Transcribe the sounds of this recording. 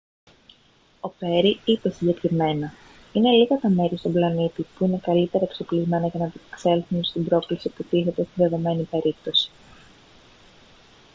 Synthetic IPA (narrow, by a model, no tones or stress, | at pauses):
o̞pe̞ɾiit̪e̞siɲɟe̞kɾime̞nɐ | ine̞liɣɐt̪ɐme̞ɾist̪o̞blɐnit̪ipuine̞kɐlit̪e̞ɾɐeksoklizme̞nɐʝɐnɐp̪ikse̞lθunst̪imbɾo̞klisiput̪iθe̞t̪e̞st̪inðe̞ðo̞me̞nipe̞ɾip̚t̪o̞si̥